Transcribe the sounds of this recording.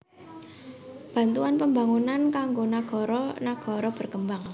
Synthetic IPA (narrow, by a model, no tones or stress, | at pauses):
b̥ä̤nt̪uanpəmbaŋunankaŋɡonaɡ̥ɔ̤ɾɔnaɡ̥ɔ̤ɾɔb̥ərkəmbaŋ